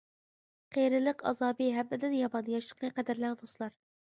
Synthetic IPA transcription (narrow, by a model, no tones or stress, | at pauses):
qʰejɾɪlˠəqɑ̰zɑːbiɦɛbːɪd̪ɪnjɑbɑnjɑʃə̥qnɨqʰɛd̪ɪɾlænd̪oslˠɑɾ